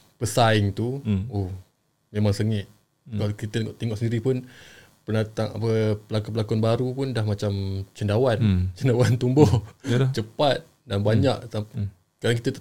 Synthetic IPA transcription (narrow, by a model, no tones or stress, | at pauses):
pəsaɪŋt̪uo | memaŋsəŋɪt̪̚ | kaakit̪ət̪əŋɔʔt̪iŋɔʔsəndiɾipʊn | pənat̪aŋa̰pəpəlakupəlakanbaɾupʊndahmat͡ʃamt͡ʃəndawant͡ʃəndawant̪umbɔt͡ʃəpat̪̚ | danbaɲaʔt̪ap | kadaŋkit̪ət̪